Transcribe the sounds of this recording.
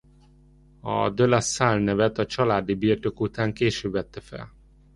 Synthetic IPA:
ɒ̰d̪ølasalnɛvɛt̪ɒt͡ʃɒlaːd̪ibiːrt̪okut̪aːŋkeːʃøːbʋɛt̪ːɛfɛ̰l

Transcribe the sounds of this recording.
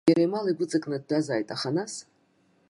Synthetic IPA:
jaɾajmaliɡʷʊt͡sʼɨkʼnɨd̚dazaːjtʼaχanas

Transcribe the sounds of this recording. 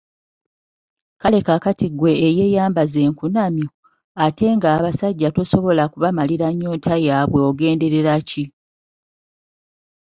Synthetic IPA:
kale̞kakatiɡwe̞ːje̞ːjaːmbaze̞ːŋkunamjo | atʰe̞ŋɡaːβasaɟːatoso̞βo̞lakuβamaliɾaɲːoːntʰajaːβwe̞oɡe̞ːnde̞ɾe̞ɾaci

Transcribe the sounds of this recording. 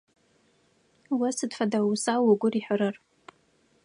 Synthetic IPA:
wasɨdfadausawaɡʷʊriħʷaɾɨr

